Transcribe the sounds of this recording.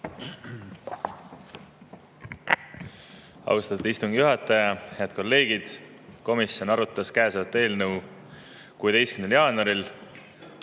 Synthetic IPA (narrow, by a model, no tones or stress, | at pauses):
ɑ̰wst̪ɑt̪u̥d̪ist̪uŋɡ̥ijuɦɑt̪ːˑɑjɑhe̞ɑd̪̥̚ko̞lːe̞ːɡ̥id̪̥ | ko̞misjo̞nɑɾut̪ːˑɑskæːsvɑt̪ːˑe̞ːlnəw | kuet̪e̞jskymneljɑːnuɑɾil